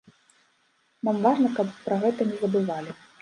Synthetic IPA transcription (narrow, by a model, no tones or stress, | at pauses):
mamvaʐnɐkɐppɾɐɣɛt̪ɐnʲɛzɐbɨvalʲi